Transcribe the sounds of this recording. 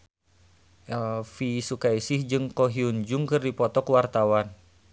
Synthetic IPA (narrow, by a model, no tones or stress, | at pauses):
ʔɛlfisukaisihd͡ʒɨŋkɔɦiuɲd͡ʒuŋkɨrdipɔt̪ɔkwart̪awan